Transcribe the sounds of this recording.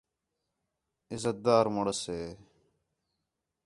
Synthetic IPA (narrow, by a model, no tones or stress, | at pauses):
ɪzət̪̚d̪aːɾmoɽəseː